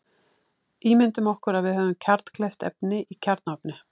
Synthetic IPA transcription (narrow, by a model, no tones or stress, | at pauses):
iːmɪnt̪ʏmɔhkʏɾaðvɪðɦœːvʏmcʰaɾt̪n̥kʰlɛft̪ɛ̰pnɪʔicʰaɾt̪napnɪ